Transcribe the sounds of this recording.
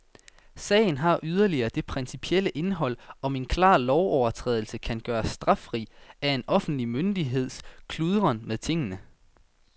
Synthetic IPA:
sɛ̰ːɪn̩ɦɑ̈ʔyð̞ˠɐliɐːd̥e̝pʰʁɛnsipʰieləʔe̝nɦɒ̽l̰ɒ̽me̝nkʰlɑ̰̈ːlɒʊɒʊɐt͡sʰʁɛ̰ːðˠl̩səkʰænɡ̥ɶːɐsd̥ʁɑ̈fʁḭːæe̝nʔɒ̽fn̩d̥limønd̥iɦe̝ð̞̰ˠskʰluðˠʁɐnmeðˠt͡sʰe̝ŋ̰ənə

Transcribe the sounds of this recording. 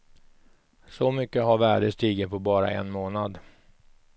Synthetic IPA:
sɔmʏkːəɦaɾvæːɖəst̪iːɡət̪̚pʰɔbɑːɾa̰ʔɛ̰nmoːnad̪

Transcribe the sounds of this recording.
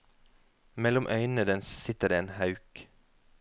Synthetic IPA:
mɛlʊmʔœʏnəd̪ənssɪt̪əd̪eːeːnhɑʉk

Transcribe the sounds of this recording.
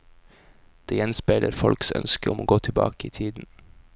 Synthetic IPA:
d̪̥eːjɛnspeɪləɾfɔlksœ̰nskəʊmoːɡoːt̪ʰɪlbɑ̰ːkəiːt̪ʰiːd̪n̩

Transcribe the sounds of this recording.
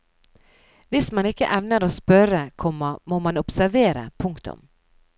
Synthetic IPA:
vɪst̪manɪkːəʔɛmnaɾɔspœɾːakʰɔmːamoːmanɔpsæɾveːɾa̰pʰɵŋkt̪ʰɵ̰m

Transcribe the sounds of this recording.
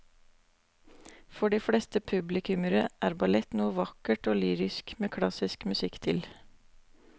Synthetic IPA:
fɔɖiːfɽeːst̪əpʰʉblɪkʉməɾəʔæːɾbɑlɛt̪nuːəʋɑkəʈoːlyːɾɪskmeːkʰlɑsɪskmʉsɪkt̪ʰɪl

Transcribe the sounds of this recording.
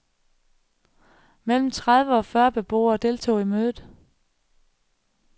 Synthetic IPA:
mel̰m̩t͡sʰʁað̞ˠʋəɒ̽fɶːɐb̥e̝b̥o̝̰ːɐd̥e̝lt͡sʰo̝̰ːimøːðˠð̩ˠ

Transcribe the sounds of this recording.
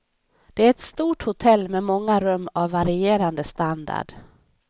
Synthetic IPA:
d̪̥ɛæɾɛt̪st̪uːʈhʊt̪ʰɛlːmɛmɔŋːaɾɵmːavːaɾɪeːɾand̪əst̪and̪a̰ɖ̥

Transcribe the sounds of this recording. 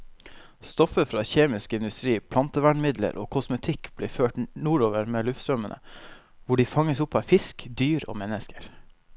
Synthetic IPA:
st̪ɔfəfɾɑːçeːmɪskɪnd̪ʉst̪ɾiːpʰlɑnt̪əʋæɳmɪd̪lə̰ɾʔo̰ːkʰɔsmət̪ʰɪkb̥liːføːʈnuːɾoːʋəɾmeːlʉft̪st̪ɾœmənʔə̰ | ʋʊɖiːfɑŋəsʊpːɑfɪskd̪yːɾo̰ːmɛnəskəɾ

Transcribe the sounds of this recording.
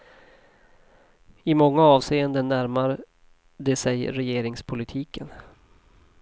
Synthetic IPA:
ɪmɔŋːaɑːvseːənd̪ənːæɾmaɾ | d̪ɛsɛjɾɛjeːɾɪŋspʰʊlɪt̪ʰiːkən

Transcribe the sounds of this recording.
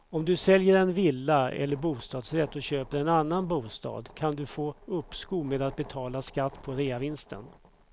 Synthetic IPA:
ɔmd̪ɵsɛljəɾɛnvɪlːaɛ̰lːəɾbuːst̪ɑːd̪sɾɛt̪ːɔɕøːpəɾɛnanːanbuːst̪ɑ̰ːd̪kʰand̪ɵfoːɵpːskuːmeːd̪at̪̚bɛt̪ʰɑːlaskat̪ːpʰɔɾeːavɪnst̪ʰə̰n

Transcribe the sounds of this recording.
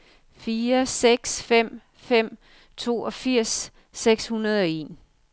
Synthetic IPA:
fiːɐseɡ̥sfem̰ | fem̰ | t͡sʰo̝̰ːɒ̽fiɐ̰sː | eɡ̥shunɐð̞ˠɒ̽e̝̰ːn

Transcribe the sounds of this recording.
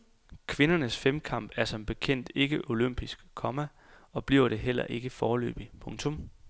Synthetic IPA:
kʰʋe̝nɐnəsfemkʰɑ̈m̰b̥æɐsɒ̽mb̥e̝kʰen̰d̥e̝ɡ̥əʔo̝løm̰b̥isɡ̥kʰɒ̽mæ | ɒ̽b̥liɐʊɾ̥e̝ɦel̰ɐ̰ʔe̝ɡ̥əfɒːlø̰ːb̥ipʰɔ̽ŋt͡sʰɔ̽m

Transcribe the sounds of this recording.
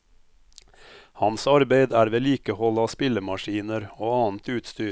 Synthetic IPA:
hɑnsɑɾbeɪd̪æːɾʋeːliːkəhɔlɑːspɪləmɑʃiːnəɾoːɑːn̩t̪ʉːt̪st̪yː

